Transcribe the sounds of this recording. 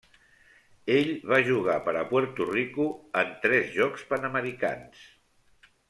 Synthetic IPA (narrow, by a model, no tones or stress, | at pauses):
eʎβaʒuɣ̞apəɾəpwəɾt̪urikuənt̪ɾɛzʒɔkspənəməɾika̰ns